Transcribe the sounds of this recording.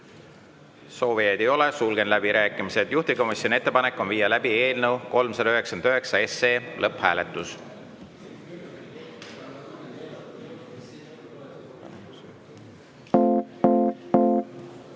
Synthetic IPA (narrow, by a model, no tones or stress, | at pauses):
so̞ːvijejd̪ejo̞le̞sulɡe̞nlæbiɾæːkːˑimise̞d̪̥juht̪iko̞misjo̞nie̞t̪ːe̞pɑne̞kːˑo̞nviːjːɑlæbie̞ːlnewko̞lmsɑd̪ɑøɦeksɑnd̪øɦe̞ksɑe̞seːlʔɤphæːle̞t̪ːˑus